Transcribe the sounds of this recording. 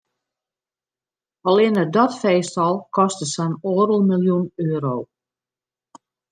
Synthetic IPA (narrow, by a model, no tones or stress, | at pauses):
ɔlɪnədɔtfeːstɔlˠkʰɔstəsɛnoːərəlˠmilˠjunøːɾow